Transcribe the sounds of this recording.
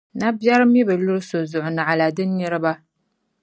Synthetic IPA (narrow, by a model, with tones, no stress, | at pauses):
na˦bja˦ɾɨ˦mi˦bɨ˨lʊ˦ɾɨ˦so˨zʊ˨ʔʊ˨nɨ˨ʕa˨la˨dɨ˦nːɨ˦ɾɨ˦ba˦